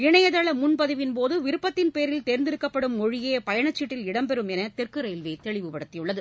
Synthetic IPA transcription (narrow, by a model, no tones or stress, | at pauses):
ɪɳɐjɐðɐɭɐmʊɳpɐðɯʋɪnpoːðɯʋɪɾɯpːɐt̪ːɪnpeːɾɪlt̪eːɾɪnd̪ɪɾɯkːɐpːɐɽɯmɔɻɪjeːpɐjɐɳɐt͡ʃːɪʈːɪlɪɽɐmpɛɾɯmɛnɐt̪ɛrkɯɾɐjɪlʋeːt̪ɛɭɪʋɯpɐɽɐt̪ːɪjʊɭːɐðɯ